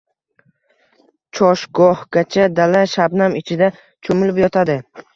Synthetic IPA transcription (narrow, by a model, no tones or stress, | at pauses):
t͡ʃʰɒʃɡɒhɡ̥ʲat͡ʃʰad̪alaʃabnamɪt͡ʃʰɪd̪a | t͡ʃʰomɪlɪpjɒt̪ʰad̪ɪ